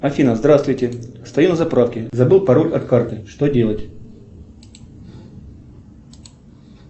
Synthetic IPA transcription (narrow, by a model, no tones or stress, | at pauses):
ɐfʲinəzd̪ɾast̪vʊjtʲɪst̪ɐjunəzɐpɾafkʲɪzɐbɨlˠpɐɾolʲɐt̪kart̪ɨʂt̪odʲelˠətʲ